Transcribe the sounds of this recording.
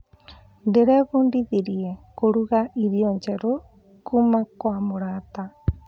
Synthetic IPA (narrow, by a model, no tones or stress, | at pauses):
ndeɾeβundiðiɾiɛkoɾuɣaʔiɾioɲt͡ʃeɾo | kumakwamoɾat̪a